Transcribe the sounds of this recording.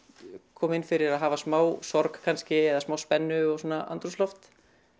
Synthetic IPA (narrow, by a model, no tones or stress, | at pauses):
kʰɔːmɪnfɪɾɪɾaðɦaːvasmaːwsɔɾkkʰːanscɪɛðasmaːwspɛnːʏɔɣsuɔːnaʔa̰nt̪ɾuslɔft̪